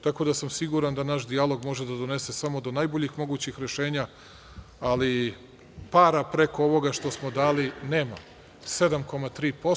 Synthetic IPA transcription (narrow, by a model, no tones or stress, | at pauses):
t̪ako̞ːd̪asamsiɡuɾand̪anaʃd̪ialˠo̞ɡmo̞ʒe̞d̪ad̪o̞ne̞se̞samo̞d̪o̞najbo̞ʎixmo̞ɡuːt͡ɕixɾe̞ʃe̞ːɲa | ali | paːɾapɾe̞ko̞oʋo̞ɡaʃt̪o̞smo̞d̪aːline̞ːma̰ | se̞d̪amko̞mat̪ɾiːpo̞